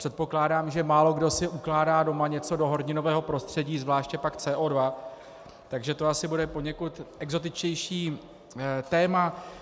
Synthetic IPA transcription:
pr̥ɛt̪̚po̞klaːdaːmʒɛmaːlo̞ɡdo̞sɪʔuklaːdaːdo̞maɲɛt͡so̞do̞ɦo̞ɾɲɪno̞vɛːɦo̞pɾo̞st̪r̝̥ɛɟiːzvlaːʃcɛpakt͡sɛːʔoːdva | t̪aɡʒɛt̪o̞asɪbudɛpo̞ɲɛkut̪ɛɡzo̞t̪ɪt͡ʃcɛjʃiː | t̪ɛːma

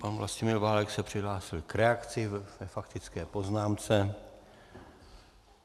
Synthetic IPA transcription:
panvla̰scɪmɪlvaːlɛksɛpr̝̥ɪɦlaːsɪlkɾɛakt͡sɪvɛfakt̪ɪt͡skɛːpoznaːmt͡sɛ

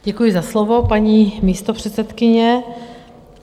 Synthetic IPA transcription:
ɟɛkujɪzaslovo̞paɲiːmiːst̪opr̝̥ɛt̪sɛt̪kɪɲɛ

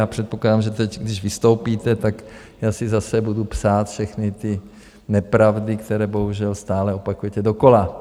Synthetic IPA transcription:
jaːpr̝̥ɛt̪poklaːdaːmʒɛt̪ɛcɡdɪʒvɪst̪owpiːt̪ɛt̪ak | jaːsɪzasɛbudupsaːt̪fʃɛxnɪt̪ɪ | nɛpɾavdɪkt̪ɛɾɛːbo̞ɦuʒɛlst̪aːlɛo̞pakujɛt̪ɛdoko̞la

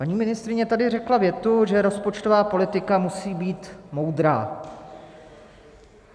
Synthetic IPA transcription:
paɲiːmɪnɪst̪ɾɪɲɛt̪adɪrɛklavjɛt̪uʒɛɾo̞spo̞t͡ʃt̪o̞vaːpo̞lɪt̪ɪkamusiːbiːt̪mo̞wd̪ɾa̰ː

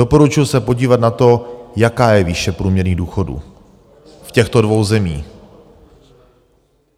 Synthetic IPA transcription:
opo̞ɾut͡ʃʊjusɛpo̞ɟiːvat̪̚nat̪o̞jakaːjɛviʃɛpɾuːmɲɛɾɲiːɣduːxo̞dṵː | fcɛxt̪o̞dvo̞wzɛmiː

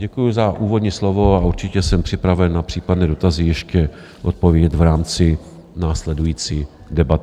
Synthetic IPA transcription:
ɟɛkujʊzaʔuːvo̞dɲiːslovo̞aʔuɾt͡ʃɪcɛsɛmpr̥ɪpɾavɛnːapr̝̥iːpadnɛːdo̞t̪azɪjɛʃcɛ | ʔot̪̚povjɟɛt̪vɾaːmt͡sɪ | naːslɛdujiːt͡siː | dɛbat̪

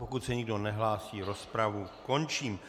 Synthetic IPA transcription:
pokut̪sɛɲɪɡdo̞nɛɦlaːsiːɾo̞spɾavuko̞nt͡ʃiːm

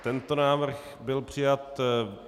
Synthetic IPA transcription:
t̪ɛnt̪onaːvr̩x | bɪlpr̝̥ɪjat̪

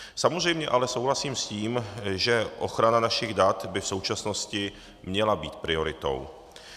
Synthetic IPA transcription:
samozr̝ɛjmɲɛʔalɛso̞wɦlasiːmsciːmʒɛʔo̞̰xɾananaʃɪɣdat̪bɪfso̞wt͡ʃasno̞scɪ | mɲɛlabiːt̪̚pɾɪo̞ɾɪt̪o̞̰w

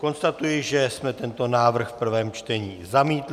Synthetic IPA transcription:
ko̞nst̪at̪ujɪʒɛsmɛt̪ɛnt̪o̞naːvr̩xfpr̩vɛːmt͡ʃt̪ɛɲiːzamiːt̪l

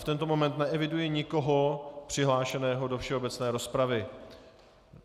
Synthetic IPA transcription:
ft̪ɛnt̪o̞mo̞mɛnt̪nɛʔɛvɪdujɪɲɪko̞ɦopr̝̥ɪɦlaːʃɛnɛːɦo̞do̞fʃɛo̞bɛt͡snɛːɾo̞spɾavɪ

